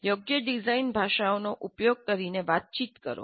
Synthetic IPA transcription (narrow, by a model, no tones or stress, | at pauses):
joɡjəɖizainbʱaʃaonoʔupjoɡ̚kəɾineʋat̪̚t͡ʃit̪kə̰ɾo̰